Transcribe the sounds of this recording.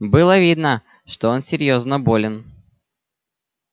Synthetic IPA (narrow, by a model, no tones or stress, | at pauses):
bɨlˠəvʲid̪nə | ʂt̪oonsʲɪɾʲjo̞znəbo̞lʲɪn